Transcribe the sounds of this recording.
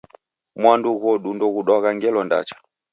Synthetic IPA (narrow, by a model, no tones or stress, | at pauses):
mwanduɣɔɗundɔɣuɗaɣaŋɡɛlɔnda̰t͡ʃḁ